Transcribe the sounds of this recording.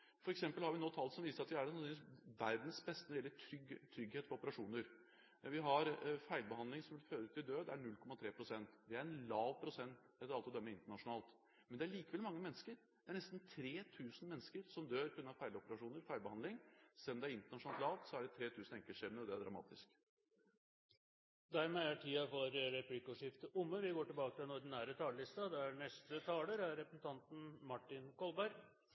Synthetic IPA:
fɔɾɛksɛmpəlhɑɾʋɪnoːt̪ʰɑlːsɔmʋiːsəɾɑt̪ʋɪæsʋæɾd̪nsbɛst̪əɛlːəʈʰɾʏɡt̪ʰɾʏɡheːt̪fɔɾɔpəɾɑʂuːnəɾ | ʋɪɦɑɾfæɪlbəhɑnd̪lɪŋsɔmʋɪlføːɾəʉːt̪ːɪld̪øːd̪æɳʉlkʰɔmːɑt̪ʰɾeːpʰɾʊsɛnt̪ʋ̪ɪæɾɛnlɑːʋpʰɾʊsɛnt̪ | ɛt̪ːəɾɑlt̪ɪɔd̪œmːəɾɪnt̪əɳɑʂʊnɑːlt̪ | mɛnd̪ɛæɭiːkəʋɛlmɑŋːəmɛnːəskəɾ | d̪̥ɛæɳɛst̪nt̪ʰɾeːt̪ʰʉːsən̩mɛnːskəɾsɔmd̪øːɾʉnːɑfæɪləɔpəɾɑʂuːnəɾfæɪlbəhɑnd̪lɪŋsɛlːɔmd̪ɛæɾɪnt̪əɳɑʂʊnɑlt̪lɑːʋt̪sɔæɖɛt̪ʰɾeːt̪ʰʉːsnɛŋkəʂɛɾmnəɾɔd̪ɛæɖ̪ɾɑ̰mɑ̰ːt̪ɪsk | d̪æɾmɛæʈʰiːɑfɔɾəɾɛpʰlɪkuːʂɪft̪əʔʊmːəʋɪɡoːʈɪlbɑːkət̪ʰɪlɛnɔɾɖ̪ɪnæːɾət̪ʰɑːləlɪst̪ɑd̪ɛæɳɛst̪ət̪ʰɑːləɾæɾɾɛpəsn̩t̪ʰɑnt̪n̩mɑʈːɪnkɔlbæɾɡ

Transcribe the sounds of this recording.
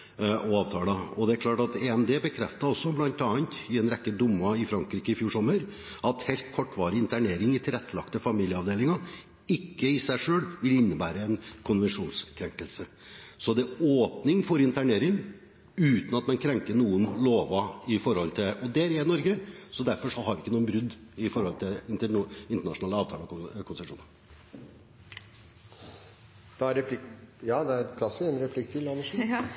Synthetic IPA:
ɔɑːʋt̪ʰɑːlɑɔd̪ɛæɾkʰlɑːʈɑt̪eɛmd̪eːbəkʰɾɛft̪ɑɔsːɔblɑnt̪ɑːənt̪ɪɛnɾɛkːəd̪ʊmːɑɪfɾɑŋkɾiːkəɪfjuːʂɔmːəɾ | ɑt̪hɛlt̪kʰɔʈːʋɑːɾəɪnt̪ʰæɳeːɾɪŋɪt̪ʰɪlɛt̪ʰːəlɑ̰kt̪əfɑmiːljəɑʋd̪eːlɪŋɑ | ɪkːəɪsæɪʂøːɭʋɪlɪnːəbæ̰ːɾəɛnkʰʊnʋɛnʂuːnskʰɾɛŋkəlsə | sɔd̪ɛoːpnɪŋfɔɾɪnt̪æɳeːɾɪŋ | ʉːt̪nɑt̪mɑnkʰɾɛŋkəɳuːənloːʋɑɪfɔɾhɔlt̪ʰɪʔɔd̪ɛɾɛnɔɾɡəsɔd̪æɾfɔʂɔɦɑɖɪɪkːənuːnbɾʉd̪ːɪfɔɾhɔlt̪ʰɪlɪnt̪əɪnt̪əɳɑʂʊnɑːləɑːʋt̪ʰɑːlɔkkʰʊnsɛʂṵːnən | d̪̥ɛæɾɛpʰlɪjɑːd̪ɛæpʰlɑsʋɪɛnɾɛpʰlɪkːfʏlːɑnəʂ

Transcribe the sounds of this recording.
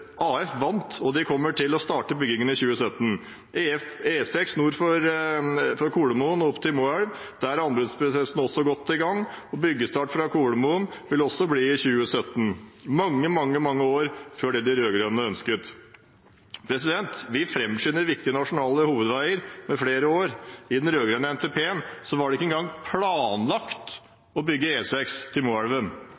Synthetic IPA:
ɑːɛfʋɑnt̪ɔd̪ɪkʰɔmːəʈʰɪlɔst̪ɑːʈəbʏɡɪŋənɪçʉːəsœt̪ːn̩ | feːsɛksnuːɾfɔɾ | fɔɾkʰuːɽəmuənɔpt̪ʰɪlmoːæɽʋ | d̪æɾɑnbɾəd̪spʰɾɛsɛsn̩ɔsːɔɡɔt̪ʰːɪlɡɑŋː | ɔbʏɡːəst̪ɑːʈfɾɑkʰuːɽəmuːənʋɪlɔsɔbliːɪçʉːəsœt̪ːn̩mɑŋːəmɑŋːəmɑŋːəoːɾføːɖɛːd̪ɪɾøːɡɾønnəœnskət̪ | pʰɾɛsɪd̪ɛnt̪ʋɪfɾɛmʂʏnːəɾʋɪkt̪ɪənɑʂʊnɑːləhuːʋəd̪ʋæɪəɾmɛfɽeːɾəoːɾɪd̪ɛnɾøːɡɾœːnəɛnt̪ʰeːpʰeːənsɔʋɑɖɛɪkːəɛnɡɑŋpʰlɑːnlɑkt̪ | ɔbʏɡːəeːsɛkst̪ʰɪlmuæɽʋən

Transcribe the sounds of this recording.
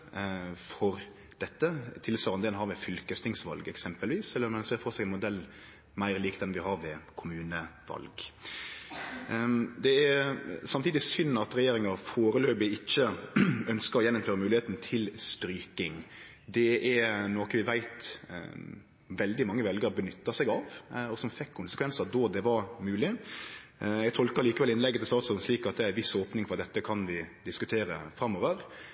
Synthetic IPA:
fɔɾ | d̪̥ɛt̪ːət̪ʰɪlsʋɑːɾɑnd̪ɛːnhɑɾʋɛfʏlkəst̪ʰɪŋsʋɑ̰lɡɛksɛmpəlʋiːsɛlːəɾmɛnseːɾfɔʁsæɪɡɛnmʊd̪ɛlː | mæɪʁliːkt̪ɛnʋɪɦɑɾʋɛkʰʊmʉːnəʋɑ̰lɡ | d̪ɛæsɑmt̪ʰiːd̪ɪsʏnːɑt̪ɾɛjeːɾɪŋɑɾfoːɾəløːbɪɪt͡ʃːəœnskəɾɔjɛnːʊmføːɾəmʉːlɪheːt̪n̩t̪ʰɪlst̪ɾyːkɪŋ | d̪ɛʔɛnoːkəʋɪʋæɪt̪ | ʋɛld̪ɪmɑŋːəʋɛlɡəɾbənʏt̪ːɑsɛɡɑʋɔsɔmfɛkʰːʊnsə̥kʰʋɛnsəd̪ɔd̪ɛʋɑɾmʉːlɪ | jɛɡt̪ʰɔlkəɾliːkəʋɛlɪnlɛɡːət̪ɪlst̪ɑːt̪sɔlnsʂliːkɑt̪̚d̪ɛæɾɛnʋɪsoːpnɪŋfɔʁd̪ɛt̪ːəkʰɑnʋɪd̪ɪskʉt̪ʰeːɾə̰fɾɑmːoːʋəɾ

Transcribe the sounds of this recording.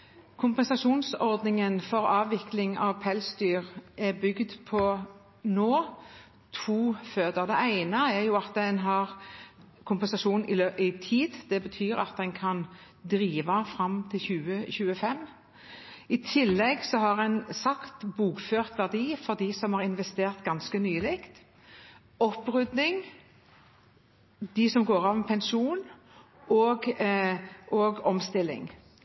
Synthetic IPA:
kʰʊmpɛnsɑʃuːnsɔʁd̪nɪŋənfɔʁɑːʋɪklɪŋɑʋpʰɛlsd̪yːʁʔɛbʏɡd̪pʰɔ | noː | t̪ʰuːføːd̪əd̪ɛæɪnəæʁjʊːɑt̪̚d̪ɛnɦɑʁ | kʰʊmpɛnsɑʃuːnnɪløʔɪt̪ʰiːd̪d̪̥ɛbət̪ʰyːɾɑ̰t̪̚d̪ɛnkʰɑn | d̪ɾiːʋɑfʁɑmt̪ʰɪlçʉːəçʉːəfɛm | ɪt̪ʰɪlːɛɡsɔɦɑʁɛnsɑkt̪buːkføːʁt̪ʋæʁd̪iːfɔʁd̪iːsɔmhɑʁɪnʋɛst̪eːʁt̪ɡɑnskənyːlɪkt̪ | ɔpʁʉd̪nɪŋ | d̪ɪsɔmɡoːɾɑʋnpʰɛnʃuːn | ɔːɡ | ʔɔːɡɔmst̪ɪlːɪ̰ŋ

